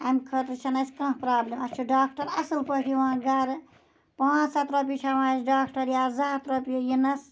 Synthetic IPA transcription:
amkʰɐt̪ɾt͡ʃʰɐnɐskɐ̃ːpɾaːblemɐt͡ʃʰuɖaːk̚ʰʈɐɾɐsɨlpəʈʰiʋããɡɐɾ | pãːsɐt̪ɾɐp̬jit͡ʃʰɐʋãːzɖaːkʰʈɐɾjaːzat̪ɾɐpjujinɐs

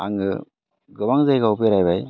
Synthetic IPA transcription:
aŋɡɯ | ɡɯbaŋzajɡaupiɾajbaj

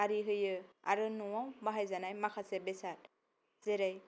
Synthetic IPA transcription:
aɾiɦɯjɯaɾɯnɔwawbaɦajzanajmakʰasɛbɛsat̚ | z̥ɛɾaj

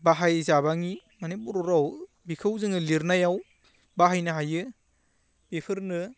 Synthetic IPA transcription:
baɦajzabaŋimanipuɾɔɾaw | bikʰɯwzɯŋɯliɾnajaw | baɦajnɐɦajɯ | b̥epʰɯɾnɯ

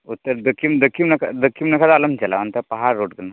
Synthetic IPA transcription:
ut̪ːəɾd̪əkʰːimd̪əkʰːimnɐkʰa̰d̪əkʰːimnɐkʰat̪aləmt͡ʃɛla̰ant̪əpɐɦaɾːoʈ̚ɡəla

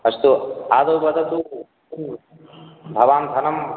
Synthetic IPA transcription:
ɐst̪uaːd̪ɐwbɐd̪ʱɐt̪u | bʱɐʋaːnd̪ʱɐnɐm

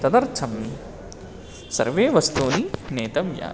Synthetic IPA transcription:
t̪ɐd̪ɐɾt͡ʃʰɐm | sɐ̰ɾʋeːʋɐst̪uːnineːt̪ɐmja̰ː

